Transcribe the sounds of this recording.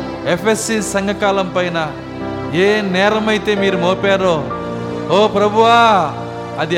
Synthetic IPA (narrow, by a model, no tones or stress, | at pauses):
epʰesːiːsɐŋɡʱɐkaːlɐmpɐjnɐ | eːnɛːɾɐmɐjit̪e̞ːmiːɾumoːpaːɾo | ɦoːpɾɐbʱuʋaː | ɐd̪i